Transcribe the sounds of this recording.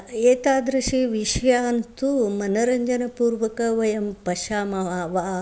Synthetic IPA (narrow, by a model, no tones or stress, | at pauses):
eːt̪aːd̪ɾɐʂiʋiʃjaːnt̪umɐnɐɾɐɲd͡ʒɐnɐpuːɾʋɐkɐʋɐjɐmpɐʃaːmɐaːʋa